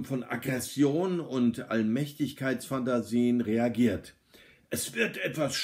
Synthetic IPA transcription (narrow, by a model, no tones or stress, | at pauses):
fɔnʔa̰ɡʁɛsjoːnʊntʔalmɛçtɪçkʰaɪt͡sfantaziːənʁeaɡiːɐt | ʔɛsv̥ɪɐtʔɛtv̥asʃ